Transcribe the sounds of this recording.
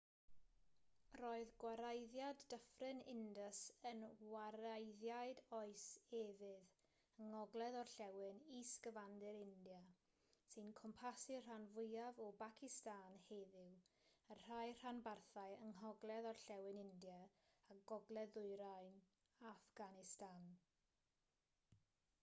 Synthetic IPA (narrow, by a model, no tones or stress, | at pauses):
roːɨðɡwaɾajðjadəfrɪnɪndəsənwaɾajðjajdɔɨsɛvɪð | əŋɔɡlˠɛðɔrɬɛwɪnisɡ̥əvandɨɾɪndja | sɨnkʰɔmpʰasɪr̥anvʊjavɔbakʰɪstaːnheðɪw | ənr̥ajr̥anbarθajəŋɦɔɡlˠɛðɔrɬɛwɪnɪndja | aɡ̥ɔɡlˠɛðʊɨɾajn | afɡ̥anɪstan